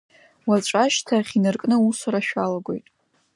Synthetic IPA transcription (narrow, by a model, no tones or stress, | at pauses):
waʈ͡ʂʷʼaʃtʰaχʲinɨrkʼnɨusaɾaʃᶣalaɡʷo̞̰jtʼ